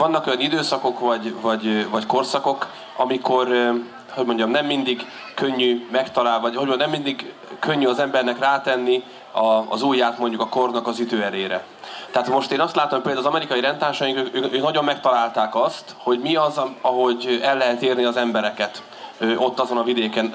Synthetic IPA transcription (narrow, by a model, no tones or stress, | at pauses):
vɒnːɒko̞jɒnid̪øːsɒko̞kvɒɟvɒɟvɒcko̞rsɒko̞k | ɒmiko̞r | ho̞ɟmo̞ɲɟɒmnɛmːind̪iɡ | kø̞ɲːymɛkt̪ɒlaːlvɒhonɛmːind̪iɡ | køɲːyɒzɛmbɛrnɛkraːt̪ɛnːi | ɒ̰ːzuːjːaːt̪mo̞ɲɟukɒko̞rnɒkɒzyd̪øːɛleːɾɛ̰ | t̪ɛɦaːt̪mo̞ʃt̪eːnɒst̪laːt̪ompeːld̪aːzɒmɛɾikɒjiɾɛnt̪aːrʃɒjiŋkøkøːkøːknɒɟo̞mːɛkt̪ɒlaːlt̪aːkɒst̪ho̞ɟmiɒzɒɦo̞ɟɛlːɛɦɛt̪iːrniɒzɛmbɛɾɛkɛt̪ | øʔo̞t̪ːɒzo̞nɒvid̪eːkɛn